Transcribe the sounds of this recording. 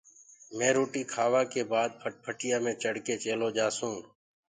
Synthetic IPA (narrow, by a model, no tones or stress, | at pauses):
mẽːɾoːʈiːkʰaːʋaːkeːbaːd̪̚pʰəʈ̚pʰəʈɪjaːmẽːt͡ʃəɽkeːt͡ʃeːloːd͡ʒaːsũː